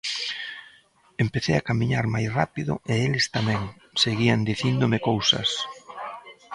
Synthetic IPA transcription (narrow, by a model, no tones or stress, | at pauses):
empeθḛjakamiɲaɾmajsrapiðʊ̰ʔeelɪst̪amɛ̃ŋ | seɣiand̪iθind̪ʊmekowsɐ̰s